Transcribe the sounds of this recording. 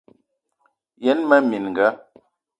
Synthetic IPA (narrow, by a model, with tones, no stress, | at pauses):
jɛ˨˦nmɛ˦mi˨nŋɡa˨˦